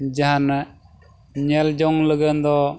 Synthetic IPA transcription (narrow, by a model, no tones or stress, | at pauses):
d͡ʒaɦan | ɲɛld͡ʒɔŋləɡənd̪ɔ